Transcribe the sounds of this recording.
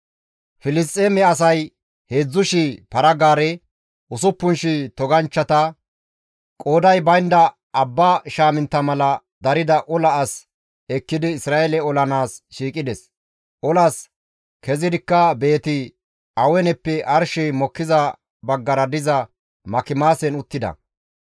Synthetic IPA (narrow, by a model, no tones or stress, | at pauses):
fɪlɪs̬t̪ʼːeːmɛɐs̬ɐj | heːd͡zːʊʃipɐɾɐɡaːɾɛ | ʊsʊpːʊnʃɪt̪ɔɡɐnt͡ʃːɐt̪ɐ | kʼoːd̪ɐjbɐjnd̪ɐː | bːaʃaːmɪnt̪ːɐmɐlɐ | d̪ɐɾɪd̪ɐʔɔlɐːs | ɛkːɪd̪ɪːsɾaːʔɛlɛɔlɐnaːsʃiːkʼɪd̪ɛs | ʔɔlɐs | kɛzɪd̪ɪkːɐbe̞ːt̪ɪ | ɐwɛnɛpːɛʔɐɾʃɛjmɔkːɪzɐ | bɐɡːɐɾɐd̪ɪzɐ | mɐkɪmaːsɛnʊt̪ːɪd̪ɐ̰